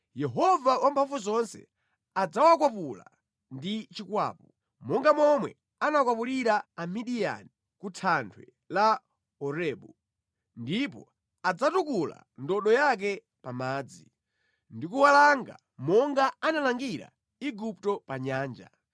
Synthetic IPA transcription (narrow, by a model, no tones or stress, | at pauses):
jɛɦɔvawampʰaɱfuzɔnsɛ̰ | ad͡zawakwap̬ula̰ | ndit͡ʃikwa̰ːpɔ | mɔŋɡamɔmwɛ̰ | anakwap̬uɾiɾaːmiɗija̰ni | kutʰantʰwɛ | la | ɔɾɛːɓu | ndipɔ̰ | ad͡zatukula̰ | ndɔɗɔjak̬ɛ | pamaːd͡zi | ndikuwalaŋɡa̰ | mɔŋɡaanalaŋɡiɾa̰ | iɡuptɔpaɲaːnd͡ʒa̰